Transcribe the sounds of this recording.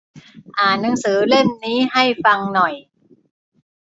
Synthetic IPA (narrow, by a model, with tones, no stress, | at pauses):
ʔaː˨˩nːɯ˩˦ŋsɯː˩˦le˥˩nniː˦˥ha˥˩jfa˧ŋnɔ˨˩j